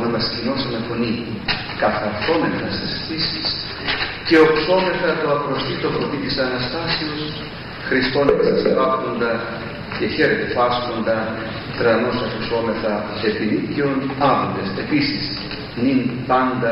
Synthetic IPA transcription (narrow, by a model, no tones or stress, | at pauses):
emɐscino̞sɐnɐfo̞nitu | kɐθɐɾθo̞me̞θɐst̪isθisis | ce̞okso̞me̞θɐt̪oɐpɾo̞sθit̪o̞fot̪it̪isɐnɐst̪ɐseo̞s | xɾiskonet̪ɐsisɾɐpt̪o̞nd̪ɐ | ce̞çe̞ɾet̪e̞pɐsko̞nd̪ɐ | t̪ɾɐno̞sɐfso̞me̞θɐ | e̞piniceo̞nɐvod̪ese̞pisis | ninpɐnd̪ɐ